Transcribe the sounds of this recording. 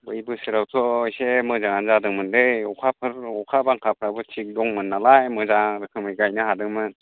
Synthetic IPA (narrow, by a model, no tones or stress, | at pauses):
bɯjbɯsɯɾawtʰɔjsemɯzaŋanzadɯŋmɯndeɔkʰapʰɯɾɔkʰabaŋkʰapʰɯɾabɯtʰik̚dɔŋmɯnːalajmɯzaɾɯkʰɯmɯjɡajnɯhadɯŋmɯn